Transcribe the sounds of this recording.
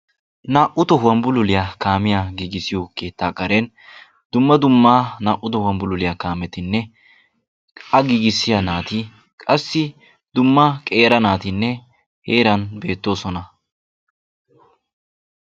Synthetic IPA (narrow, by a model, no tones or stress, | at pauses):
naːʔʊt̪ɔɦʊwɐmbʊlʊlɪjakaːmɪjaɡiːɡɪsɪjoke̞ːt̪ːaːkʼɐɾen | d̪ʊmːɐd̪ʊmːaːnaːʔːʊt̪ɔhʊwɐmbʊlʊlɪjaːkaːmɛt̪ɪnːɛ | ʔɐɡiːɡɪsːɪjɐnaːt̪ɪ | kʼɐsːɪ | d̪ʊmːaːkʼe̞ːɾɐnaːt̪ɪnːɛ | heːɾɐnbe̞ːt̪ːo̞ːsɔnɐ